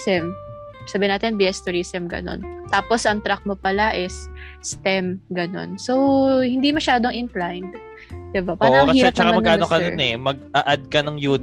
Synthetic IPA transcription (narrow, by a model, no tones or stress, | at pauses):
sɛm | sabɪnaːt̪ɛnbiɛst̪ʊɾiːsɛmɡɐ̰no̞̰nt̪aːpo̞sʔɐŋt̪ɾak̚mopɐlaʔɛsːt̪ɛmɡɐno̞̰nsowhɪnd̪imɐʃaːd̪oŋʔɪnklajnd̪ | d̪ɪbapaːʔɐɐŋkɐhisːɛɾɐt͡ʃɐkamɐmɐnɡʔaːnnokɐnonɛmɐɡ̚ʔɐʔɐd̪̚kɐnɐŋjuː